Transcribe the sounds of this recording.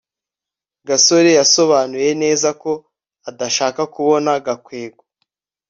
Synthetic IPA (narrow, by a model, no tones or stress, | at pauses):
ɡaso̞ɾejaso̞βaːnuje̞ne̞ːzako̞ | adaʃaːkakuβo̞naɡakwe̞ːɡwa